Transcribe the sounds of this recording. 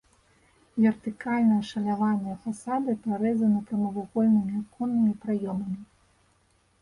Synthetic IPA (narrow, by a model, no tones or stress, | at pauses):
vʲɛrt̪ɨkalʲnɐjɐʂɐlʲavanʲjɐfasad̪ɨpaɾɛzɐnɐkɐmɐvaɣɔlʲnɨmʲiakɔnːɨmʲipɾajɔmɐmʲi